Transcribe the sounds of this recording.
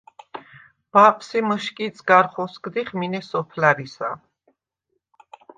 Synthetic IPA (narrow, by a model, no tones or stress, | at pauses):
b̥apʰʼsiməʃkʼit̪sʰʼɡaɾχɔsɡd̪iχminɛsɔpʰlaɾisa